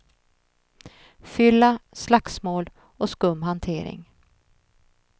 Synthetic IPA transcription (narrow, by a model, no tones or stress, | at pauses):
fʏlːaslaksmoːl | ɔskɵmːɦant̪ʰeːɾɪ̰ŋ